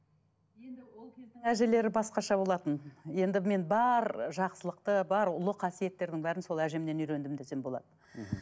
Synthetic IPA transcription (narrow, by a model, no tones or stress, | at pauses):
je̞nd̪ɪwo̞lˠkʲʰezd̪ɪŋæʒele̞ɾɪbɑsqɑʃɑbo̞lˠɑt̪ənje̞nd̪ɪme̞nbɑɾʒɑqsəlˠəqt̪əbɑɾʊlˠəqʰɑsije̞t̪ːe̞ɾd̪ɪŋbæɾɪnso̞lˠæʒemne̞nʏjɾe̞nd̪ɪmd̪esembo̞lˠɑ̰d̪ə